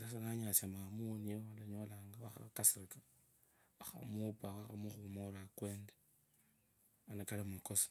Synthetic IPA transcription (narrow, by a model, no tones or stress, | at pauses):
as̬anaɲat͡ʃamamunioalaɲolaŋɡaaxa̰kasikḁ | axa̰mupaaxamuxumoɾakweːnde | anakalimukosḁ